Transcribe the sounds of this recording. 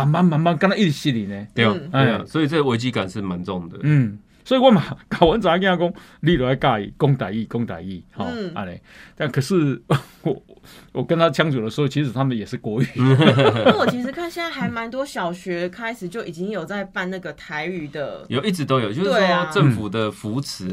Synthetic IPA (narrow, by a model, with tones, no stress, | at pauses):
ma˧˦nma˦˥nma˧˦nma˥˦nkə˥˦nt̪a˥˦i˥˩i˨˩ɕi˦nli˨˩nẽ˨t̪e˧˨˩a˥˧˨swɔ˧˥i˨˩t͡sə˥˩ɡə˨we˧˦ɪt͡ɕi˦ka˨˩nʂɻ̩˥˩ma˨˦nt͡so˥˨ŋd̪ə˨nm̩˥˩ | swɔ˧˥i˨wa˥˩ma˨˩ka˨˩wə˨˦nt͡sa˨˩a˥˩ki˥˧na˥˩kɔ˥˦ŋli˥˨ɾə˨˩a˥˧ɪka˥˩ḭ˨˩kɔ˦ŋt̪a˨˩ɪi˥˨kɔ˦ŋt̪a̰˨ɪi˥˩hɔ̰˨˦˥a̰˧˩nɛ̰˨˩t̪a˥˨nkʰə˨˩ʂ̩˥˧˩ | wɔ˨˩wʔɔ˨˩kə˧˦nt̪ʰa˥t͡ɕʰja˥˦ŋt͡su˨˩d̪ə˩ʂ̩˧hɔ˥˩t͡ɕʰi˧˥ʂɻ̩˨˩t̪ʰa˥mə˨njɛ˨˩ʂɻ̩˥˩kwɔ˧y˨˩n˥a˥˩wɔ˨˩i˧˥ʂɻ̩˧˥kʰa˥˧nɕi˥na˥xa˧˥ɪma˧˦nt̪wɔ˥ɕjɑ˨˩ʊɕɥɛ˧˥kʰa˥ɪʂɻ̩˨˩t͡ɕjo˥˩ʊi˨˩t͡ɕi˦˥ŋjo˨˩ʊt͡sa˥˧ɪfa˥˧nna˥˩ɡə˨˩t̪ʰa˧˦ɪy˨˩d̪ə˧jo˨ʊi˥˩t͡sɻ̩˧˦t̪o˥ʊjo˨ʊt͡ɕjo˥˧˩we˥˩˥ɔ˥˧ʈ͡ʂə˥˨˩ŋfu˨˩d̪ə˩fu˧˥t͡s̩ʰ˨˦